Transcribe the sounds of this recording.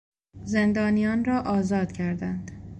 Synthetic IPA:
ze̞nd̪ɒːnijɒːnrɒːʔɒːzɒːd̪̥cʰæɾd̪ænd̪̥

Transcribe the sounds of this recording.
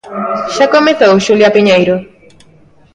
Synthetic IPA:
ʃakomeθowʃuljapiɲejɾʊ

